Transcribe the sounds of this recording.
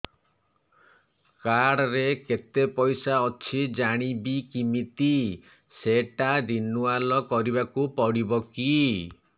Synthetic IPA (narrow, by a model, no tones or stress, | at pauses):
kaɽɔɾeket̪epɔjsaɔt͡ʃʰid͡ʒaɽ̃ibikimit̪i | seʈad̪inualɔkɔɾibakupɔɽibɔki